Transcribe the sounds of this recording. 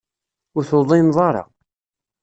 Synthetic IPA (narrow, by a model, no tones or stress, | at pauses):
ʊɾθoðˤinðˤɑɾˤɑ̰